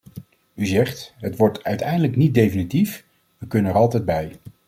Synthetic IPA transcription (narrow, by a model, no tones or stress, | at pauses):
yzɛχtɦətʋɔɹtœɥtɛjndələknit̚dejfinitif | ʋəkɵnənɛɹɑlˠtɛjd̚bɛj